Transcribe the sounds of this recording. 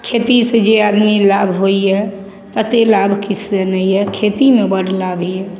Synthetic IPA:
kʰet̪ised͡ʒeaːd̪milabʱɦoiɦɛ | t̪ət̪elabʱkisenəĩɦɛkʰeːt̪imẽbəɽlabʱiɛ

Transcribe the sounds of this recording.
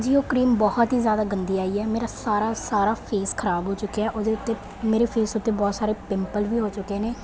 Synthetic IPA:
d͡ʒiːoːkɾiːmbɔːt̪ɦiːzjaːd̪aːɡənd̪iːaːiːɛːmeːɾaːsaːɾaːsaːɾaːpʰeːskʰəɾaːbɦoːt͡ʃʊkːeɛːʔoːd̪eːʊt̪ːeː | meːɾeːpʰeːsʊt̪ːeːbɔːt̪saːɾeːpɪmpəlʋiːɦoːt͡ʃʊkːeːneː

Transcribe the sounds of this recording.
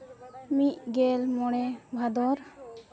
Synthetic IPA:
mit̪̚ɡɛlmɔɽɛbʱad̪ɔɾ

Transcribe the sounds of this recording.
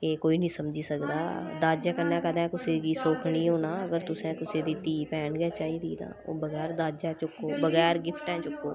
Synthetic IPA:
kekoːiːnĩːsəmd͡ʒiːsəkd̪aːd̪aːd͡ʒaːkəɾnãːkəd̪ɛ̃ːkʊsiːkiːsoːkʰniːɦoːnaːəɡəɾt̪ʊsẽːt̪ʊsẽːd̪iːt̪iːpɛːnɡɛːt͡ʃaːiːd̪iːd̪a̰ːo̰ːbəɣɛːɾd̪aːd͡ʒɛːt͡ʃʊkːoːbəɣɛːɾɡɪpʰʈɦɛ̃ːt͡ʃʊkːoː

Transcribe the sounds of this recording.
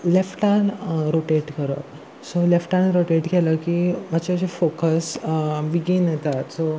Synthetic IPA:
lefʈanɾoʈeʈkəɾə̰t | solefʈanɾoʈeʈɡʱɛləkiːmat͡ɕed͡ʑefokəsbiɡiːnjet̪at̪so

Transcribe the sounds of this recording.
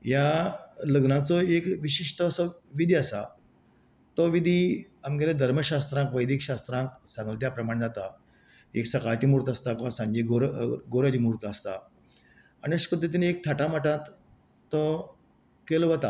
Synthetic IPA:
jaləɡnãt͡sɔekʋiɕiʂʈəːsəʋid̪ʱiasa̰ | t̪ɔʋid̪ʱiamɡeled̪ʱəɾməɕast̪ɾãŋkʋəjd̪ʱikɕast̪ɾãŋksãŋɡəlt̪japɾəmaɳ̃d͡zat̪a | ḛksəkajt̪imuɾt̪əst̪akɔãsãɲd͡ʑeɡoɾɡoɾəd͡ʑimuɾt̪ast̪a | aniəɕkət̪et̪inek̚t̪ʰaʈamaʈãt̪ː | ɔ | kelɔʋət̪a

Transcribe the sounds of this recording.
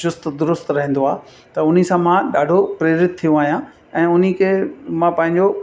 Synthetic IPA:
ʃʊst̪d̪ʊɾʊst̪ɾɐɦɛ̃nd̪oaː | t̪ɐʊn̤isãmãɗaːɖʱopɾeːɾɪt̪ʰːijõaːɦijã | ɛ̃ːʊn̤ikʰeːmãpɐ̃ɦɪ̃ɲd͡ʑo

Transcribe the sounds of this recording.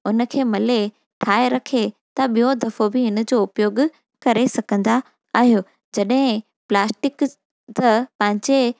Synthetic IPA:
ʊn̆kʰeːmɐle | ʈʰaːeɾɐkʰet̪ɐɓijod̪ʱɐfobɪɦɪnə̆d͡ʑoːʊpjoːɡ | kɐɾesɐɡʱə̃nd̪a | aːɦijoː | d͡ʑɐɗɦɪ̃ | plaːsʈɪk | t̪ɐpɐ̃ɦɪ̃ɲd͡ʑe

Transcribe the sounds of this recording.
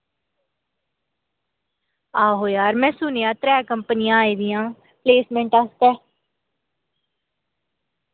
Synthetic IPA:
aːɦoːjaːɾmɛ̃ːsʊnejãːt̪ɾɛːkəmpnɪjãːiːd̪ɪjãː | pleːsmɛ̃ːɳʈaːst̪ɛː

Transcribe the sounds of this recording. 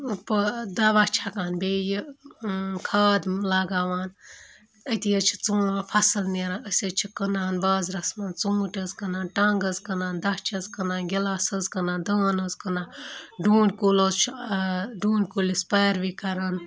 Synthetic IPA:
pəd̪ɐʋat͡ʃʰakaːnbeːji | kʰaːd̪laːɡaːʋaːn | ət̪ijɐt͡ʃʰi̥t͡sũːpʰɐsɨlniɾãːnəsʲɐt͡ʃʰikənaːnbaːzɾɐsmɐnt͡sũːʈʲɐzkɐnãːnʈaŋɡɐzkɐnaːnd̪ɐht͡ʃʰɐzkɐnãːnɡʲilaːsɐzkɐnãːnd̪əːnɐzkɐnãːnɖuːɳɖʲkuːloːzt͡ʃʰ | ɖuːɳʲɖʲkuːlispaːɾʋikɐɾɐn

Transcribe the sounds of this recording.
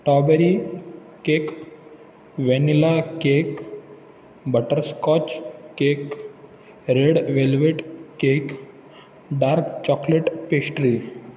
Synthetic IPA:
ʈɔbeɾi | kek | ʋenilakek | bəʈəɾskɔt͡ɕkek | ɾeɽʋelʋeʈkek | ɖaɾkt͡ɕɔkleʈpesʈɾi

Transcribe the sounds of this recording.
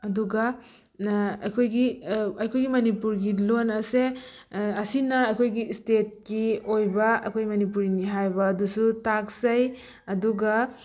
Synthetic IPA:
ɐduɡɐ | ɐkʰojɡiɐjkʰojɡimɐnipuɾɡilonɐse | ɐsinɐɐjkʰojɡistet̚kiojbɐɐ̰kʰojɡmɐnip̬uɾiniɦajbɐːdusutaksaj | ɐduɡa

